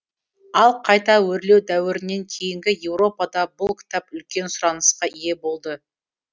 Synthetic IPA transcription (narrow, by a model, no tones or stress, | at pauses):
ɑlˠqʰɑjt̪ɑwɵɾle̞wd̪æwɪɾɪnːe̞ŋkʲʰe̞jɪŋɡʲɪje̞wɾo̞pɑd̪ɑbʊlˠkʲʰɪ̥t̪ɑpʏlkʲe̞nsʊɾɑnəsqɑije̞bo̞lˠd̪ə